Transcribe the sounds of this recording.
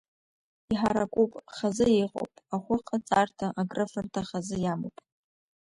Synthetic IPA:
iħaɾakʷʼupʼχazɨiqʼo̰wpʼaχʷʊqʰʼat͡sʼartʰaʔaɡrɨfartʰaχazɨjamopʼ

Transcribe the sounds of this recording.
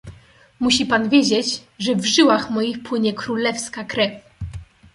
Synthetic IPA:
muɕipanvʲjed͡ʑed͡ʑʐɛvʐɘwaxmɔjixpwɘɲɛkɾulɛfskakɾɛfʲ

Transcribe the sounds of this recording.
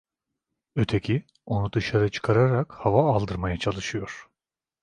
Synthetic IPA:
øt̪ʰecʰi | o̞nud̪ɯʃaɾɯt͡ʃʰɯ̥kʰaɾaɾakhavaːlˠd̪ɯɾmajat͡ʃʰalˠɯʃɯjo̞ɾ̥

